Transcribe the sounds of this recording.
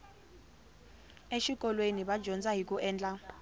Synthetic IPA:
eʃik̬ʼɔlwenibḁd͡ʒʱɔnd͡zʼaɦikʼuʔɛːnd͡ɮʼa

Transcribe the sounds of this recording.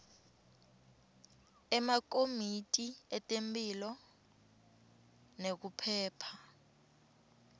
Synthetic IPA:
ɛmak̬omitʼiɛtʼempʼilɔ | nek̬upʰɛːpʰa

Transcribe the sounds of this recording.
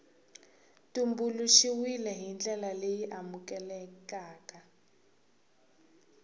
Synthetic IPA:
tumbuluʃiwilɛɦind͡ɮɛlalejiʔamukɛlɛkaːka

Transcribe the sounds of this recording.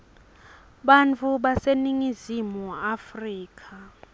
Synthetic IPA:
ɓant͡fʰuɓaseniŋizimuafriːkʰa

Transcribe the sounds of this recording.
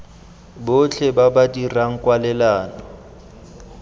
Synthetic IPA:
bʊt͡ɬʰɛbabadiraŋ̩kʼwalɛlaːnɔ

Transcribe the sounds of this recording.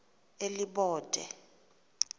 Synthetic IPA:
eliɓɔːd̥ʱɛ̰

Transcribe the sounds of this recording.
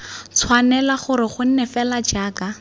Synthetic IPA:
t͡sʰwanɛlaχʊɾɪχʊn̩nɛfɛlad͡ʒaːka

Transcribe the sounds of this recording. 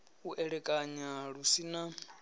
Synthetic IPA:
uʔɛɺɛkʼaɲaɺusina

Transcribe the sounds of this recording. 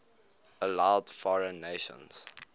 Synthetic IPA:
əlaʊdfɔɹə̃nːeʃə̰̃nz̥

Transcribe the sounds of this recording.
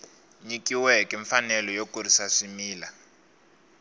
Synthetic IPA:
ɲikiwɛkʼɛɱfanɛlɔjokʼurisaʂimiːla

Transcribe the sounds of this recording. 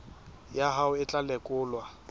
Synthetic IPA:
jaɦaʊɪt͡ɬʼalɛkʼʊːlwa

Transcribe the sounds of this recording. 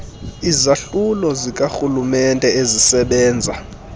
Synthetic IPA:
izaɬulɔzik̬ʼaxulumɛntʼɛezisɛɓɛːnd͡zʱa

